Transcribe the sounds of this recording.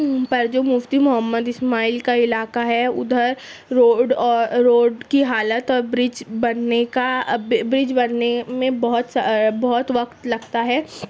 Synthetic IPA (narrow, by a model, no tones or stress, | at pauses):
pɐɾd͡ʒoːmʊft̪imʊɦəmːəd̪ɪsmaːiːlkaɪlaːkaɦɛʊ̰d̪ʱəɾːoːɖɔːɾːoːɖkiɦaːlət̪ɔːɾbɾɪd͡ʒbɐnnekabbɾɪd͡ʒbɐnnemẽbɐɦʊt̪sbɔɦʊt̪ʋɐkt̪lɐɡt̪aɦɛː